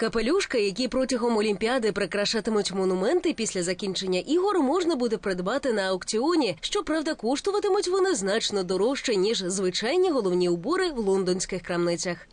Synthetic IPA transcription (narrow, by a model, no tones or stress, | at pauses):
kɐpelʲuʂkɐjɐkʲipɾɔtʲɐɦɔmɔlʲimʲpʲiad̪ɪpɾɪkɾɐʃat̪ɪmʊtʲmɔnʊmɛnt̪ɪpʲisʲlʲɐzɐkʲint͡ʃenʲːɐʔiɦɔɾmɔʐnɐbud̪ɛpɾɪd̪bat̪ɪnɐɐwkt͡sʲiɔnʲiʃt͡ʃɔpɾawd̪ɐkɔʂt̪ʊʋɐt̪ɪmʊtʲʋɔnɪznat͡ʃnɔd̪ɔɾɔwʂt͡ʃenʲiʐzʋɪt͡ʃajnʲiɦɔlˠɔwnʲiʊbɔɾɪwlˠɔnd̪ɔnʲsʲkɪxkɾɐmnɪt͡sʲɐx